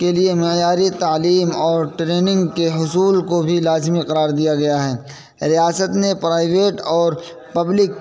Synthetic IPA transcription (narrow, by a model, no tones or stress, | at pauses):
keliemɪjaːɾit̪aːliːmɔːɾʈɾeːnɪ̃ŋɡkeɦʊsuːlkobʱilaːzmiqɐɾaːɾd̪ijaɡɐjaɦɛː | ɾijaːsət̪nepɾaːɪʋeːʈɔːɾ | pɐblɪk